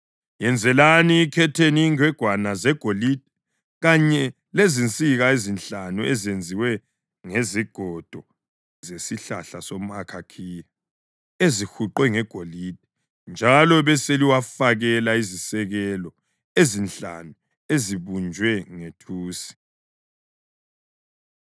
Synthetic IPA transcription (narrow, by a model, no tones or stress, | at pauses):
jɛnd͡zʱɛlaniːkʰɛtʰeniːŋwɛɡ̥ʱwanazɛɡ̥ʱolid̥̚ʱɛ | ɣaɲɛ | lezint͡sʼiɣaezinɬanuezend͡zʱiwɛ | ŋeziɡ̥ʱɔd̥ʱɔ | zesiɬa̰ɬasom̩akʰakʰija | ezixuǃwɛŋɛɡ̥ʱolid̥̚ʱɛ | nd͡ʒʱalɔβɛseliwafaɣɛlaizisɛɣɛlɔ | ezinɬa̰nu | eziβund͡ʒʱwɛŋetʰuːsi̥